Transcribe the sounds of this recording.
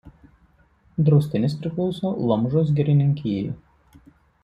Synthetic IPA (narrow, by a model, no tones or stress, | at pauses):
d̪ɾɔʊsʲt̪ʲɪnʲɪspʲɾʲɪklˠɔʊsoːlˠɐmʒoːs̬ɡʲɛɾʲɪnʲɪŋʲkʲiːjṵ